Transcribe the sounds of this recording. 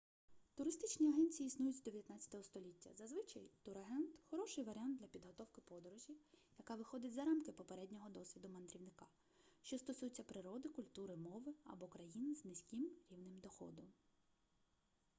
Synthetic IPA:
t̪ʊɾɪst̪ɪt͡ʃnʲiɐɦɛnʲt͡sʲijiisnujʊt͡sʲd̪ɔʋʲjɐt̪nat͡sʲɐ̥t̪ɔɦɔst̪ɔlʲitʲːɐ̰zɐzʋɪt͡ʃɐjt̪ʊɾɐɦɛnt̪xɔɾɔʃɪjʋɐɾʲant̪d̪lʲɐpʲid̪ɦɔt̪ɔwkɪpɔd̪ɔɾɔʒʲijɐkɑʋɪxɔd̪ɪtʲzɐɾɑmkɪpɔpeɾɛdʲnʲɔɦɔd̪ɔsʲʋʲid̪ʊmɐnd̪ɾʲiwnɪkɑ | ʃt͡ʃɔst̪ɔsujʊt͡sʲːɐpɾɪɾɔd̪ɪkʊlʲt̪uɾɪmɔʋɪɐ̰bɔkɾɐjinznɪsʲkɪmɾʲiwnɪmd̪ɔxɔ̰d̪ɔm

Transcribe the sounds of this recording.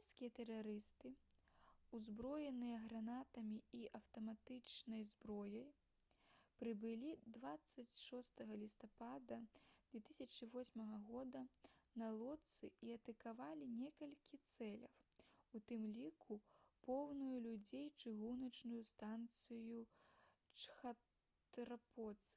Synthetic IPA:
sʲkʲijɐt̪ɛraɾɨst̪ɨ | uzbɾɔjɛnɨjɐɣɾanat̪ɐmʲiiʔɐwt̪ɐmat̪ɨt͡ʂnɐjzbɾɔjɐj | pɾɨbɨlʲid̪vat̪sːɐt͡sʲʂɔst̪ɐɣɐlʲist̪apad̪ɐd̪vʲɛt̪ɨsʲɐt͡ʂɨvɔsʲmɐɣɐɣɔd̪ɐnɐlˠɔt̪sɨiɐt̪ɐkavalʲinʲɛkɐlʲkʲʰit̪sɛlʲɐ̰wut̪ɨmlʲikʰupɔwnujulʲud͡zʲejt͡ʂɨɣunɐt͡ʂnujust̪ant̪sɨju | t͡ʂxɐ | t̪ɾapɔt̪sɨ

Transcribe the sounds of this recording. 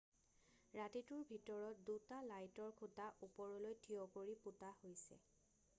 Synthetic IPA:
ɹatituɹbʱitɔɹɔt̚dutalajtɔɹkʰutaʔupɔɹɔlojtʰiɔkoɹiputahojsɛ̰

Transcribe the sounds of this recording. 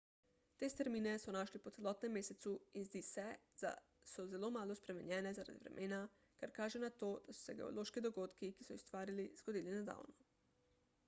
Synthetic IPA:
t̪eːst̪ɛɾmiːnɛsɔnaːʃlipɔt̪sɛlɔt̪nɛmːeːset̪suinzd̪iːsɛ | d̪̥a̰ | sɔzɛloːmaːlospɾɛmɛɲjɛːnɛzaɾa̰d̪ḭʋɾɛ̰mʔeːna | kaɾkaːʒɛnat̪oːd̪̥asu̥sɛɡḛo̰loʃkid̪oɡoːt̪kikisɔust̪ʋaːɾiliz̥ɡod̪iːlinad̪a̰wnɔ

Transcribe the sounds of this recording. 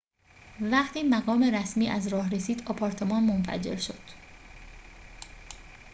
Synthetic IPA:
væɢt̪ʰiːmæɣɒːme̞ɾæsmiːʔæzɾɒːɦɾesiːd̪ɒpʰɒːɾt̪ʰe̞mɒːnmonfæ̰d͡ʒe̞̰ɾʃo̞̰d̪̥

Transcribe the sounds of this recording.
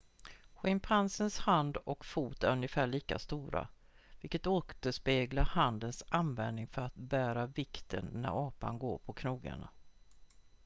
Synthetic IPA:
ɧɪmpʰansənshand̪ɔkfuːt̪æɾɵnjəfæːɭiːka̰st̪uːɾa̰ | vɪlkət̪oːt̪əʂpeːɡlaɾhand̪ənsʔanvɛnnɪŋfœɾat̪̚bæːɾavɪkt̪ʰə̰nːæ̰ɾɑːpa̰nɡoːɾpʰɔkʰnuːɡa̰ɳa̰

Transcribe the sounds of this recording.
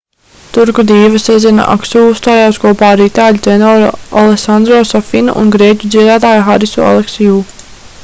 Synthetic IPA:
t̪uɾkud̪iːvɐsɛzʲɛna̰ʔa̰ksuːust̪aːjaːskuɔpaːɾiːt̪aːlʲt̪ɛnɔːɾalˠesand̪ɾɔːsɔfinṵʔṵnɡɾiɛc̪ʲud̪ziɛd̪aːt̪aːjxaɾisṵa̰lˠeksijuː

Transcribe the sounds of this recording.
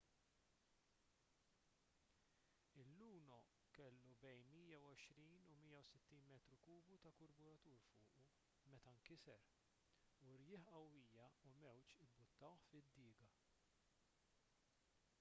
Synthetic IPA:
ɪlːuːnɔ | kɛlːubɛjnmiːjɐwɔʃɾiːnumiːjɐwsɪt̪ːiːnmɛːt̪ɾukuːbut̪ɐkʊɾbʊɾɐt̪uːɾfʊːʔu | mɛt̪ɐɐŋkɪsɛɾ | uɾjɪːħɐwːiːjɐumɛwt͡ʃɪbʊt̪ːɐwħfɪd̪ːɪːɡɐ

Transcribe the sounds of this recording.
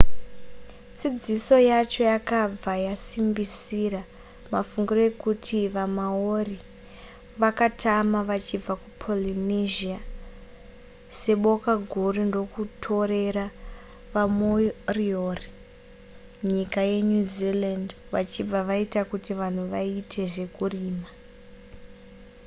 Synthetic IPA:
t͡sid͡ziso̞jat͡ʃo̞jakab͡vajasimbisira | mafuŋɡiroekutʰiʋamaori | ʋakatamaʋat͡ʃib͡vakupʰo̞liniʒia | se̞ɓo̞kaɡʱurundo̞kutʰo̞ɾe̞ɾa | ʋamojriori | ɲikaje̞ɲuziland | ʋat͡ʃib͡vaʋaitakutiʋan̤uʋaitʰe̞ʐe̞kuriːma

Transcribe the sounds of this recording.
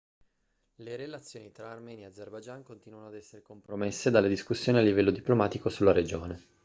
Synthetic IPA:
leɾelat̪sːjoːnit̪ɾaːrmɛːnijaːd̪zerbad͡ʒaŋkont̪iːnuanoad̪ɛsːeɾekompɾomesːed̪alːed̪iskusːjoːnialːivɛlːod̪iplomaːt̪ikosulːaɾed͡ʒoːne

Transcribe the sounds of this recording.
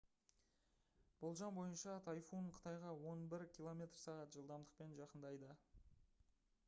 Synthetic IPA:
b̥olˠʒɑnbo̞jənʃɑt̪ʰɑjfuɴqʰə̥t̪ɑjʁɑwo̞nbɪɾkʲʰilˠo̞mʲe̞t̪rsɑʁɑt̪ʒəlˠd̪ɑmd̪əq̚pe̞nʒɑqənd̪ɑjd̪ə

